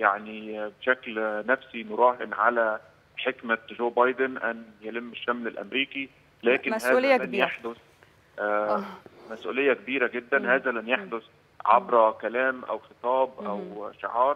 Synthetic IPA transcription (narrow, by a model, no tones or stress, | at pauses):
jaʕnibʃæklnæfsinoɾˤɑːħenʕa̰læ | ħekmæʒoːbɑjd̪enʔænjælɪmːeʃːæmlelʔæ̰mɾiːki | læːkɪnhæːlænjaħd̪os | ʔæ | mæsʔṵːlejːækebiːɾæɡed̪ːænhæːzælænjaħd̪os | ʕa̰bɾɑkælæːmʔæ̰wxet̪ˤɑːbʔæwʃḛʕɑːɾˤ